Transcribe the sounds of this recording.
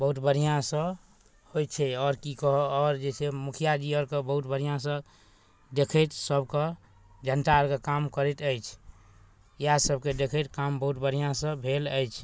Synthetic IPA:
bəɦut̪bəɾ̤ijãsə̃ | hojt͡ʃʰɛɔːɾkikɔɦɔɔːɾd͡ʒesemukʰijad͡ʒiəɾkebəɦut̪bəɾ̤ijãsə̃ | d̪ekʰət̪səbkə | d͡ʒʱənʈaəɾkekamkəɾet̪əjt͡ʃʰ | jasəbked̪ekʰət̪kambəɦut̪bəɾijãsə̃bʱeləjt͡ʃʰ

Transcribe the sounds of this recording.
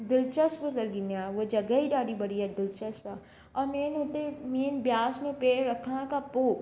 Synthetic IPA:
d̪ɪlt͡ʃəspəlɐlɡɪnjaʋod͡ʒɐɡəiɖaːɽibɐɽiɛd̪ɪlt͡ʃɐspa | ɔːɾmeːnɦot̪emeːnbjaːsnẽpeːɾɐkʰãkapoːk

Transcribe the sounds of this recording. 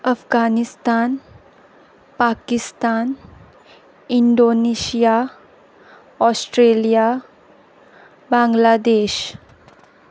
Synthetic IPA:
əfɡanist̪an | pakist̪an | iɳɖonesija | ɔsʈɾelija | bãŋɡlad̪eɕ

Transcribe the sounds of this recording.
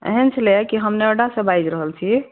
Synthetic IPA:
ḛɦənt͡ʃʰlekiɦəmneəɖasə̃bajd͡ʒɾəɦəlt͡ʃʰi

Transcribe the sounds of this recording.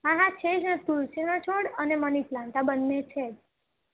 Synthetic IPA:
ãɦãt͡ʃʰed͡ʒnet̪ulsinət͡ʃʰoɽəneməniplãɳt̪abənmẽt͡ʃʰed͡ʒ

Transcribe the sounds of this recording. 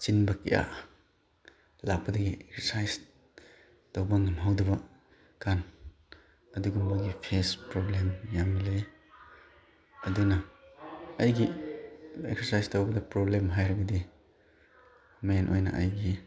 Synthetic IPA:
t͡ʃinbɐkḛja̰ | lak̚pɐdɐɡiek̚sesajs | tawbɐŋamɦawdɐbɐ | kan | ɐduɡumbaɡipʰespɾoblemjamilej | ɐdunɐː | jɡi | ek̚sesajstawbɐdɐpɾoblemɦajɾɐɡɐdi | menʔojnɐ̰ʔajɡi

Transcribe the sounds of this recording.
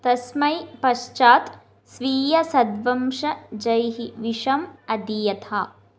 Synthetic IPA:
t̪ɐsmɐjpɐʃt͡ʃaːt̪ | sʋiːjɐsɐd̪ʋɐmʂɐd͡ʒɐjɦiʋiʂɐmɐd̪ijɐt̪ʰaː

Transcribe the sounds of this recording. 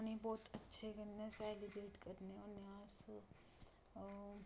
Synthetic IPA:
nibɔːt̪ɐtːʃʰeɡɐnːesɛːlibɾeːʈkɐɾneɔːneãːs

